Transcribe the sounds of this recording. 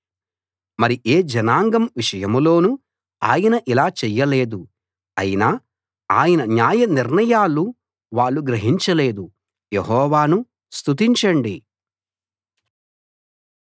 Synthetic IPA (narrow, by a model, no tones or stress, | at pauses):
mɐɾiʔeːd͡ʒɐnaːŋɡɐmʋiʂɐjɐmlo̞ːnu | a̰ːjɐnɐʔilaːt͡ʃɛjːɐle̞ːd̪u | ɐ̰jinaː | aːjɐnɐnjaːjɐniɾnɐjaːlu | ʋaːɭːuɡɾɐɦiɲt͡ʃɐle̞ːd̪u | jeɦɔːʋaːnu | st̪ut̪iɲt͡ʃɐɳɖi